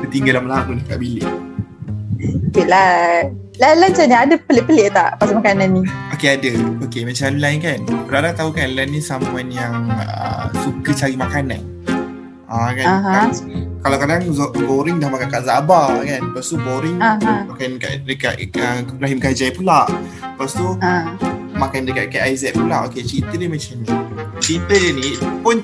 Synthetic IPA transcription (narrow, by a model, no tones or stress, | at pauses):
kət̪iŋɡalahməlakundaka̰ʔbilɪ | okela | lalant͡ʃaniadəpəlɪʔpəleʔt̪aʔpasamakananːiokeadəokemat͡ʃanlankanpəɾalat̪aukanlanːĩsamuanjaŋə̰sukət͡ʃaɾimakanan | ʔakaɦakalawkadaŋzboɾɪŋdahmakankaʔzabakanpast̪uboɾɪŋmakanka̰ʔdəkaʔ̪̚əibɾaɦimɡad͡ʒajpulaʔpast̪u | makandəkat̪̚kaʔ̪ajzɛt̪̚pulaʔoket͡ʃɾint̪ədəmat͡ʃamnit͡ʃɾint̪ədənĩpʊn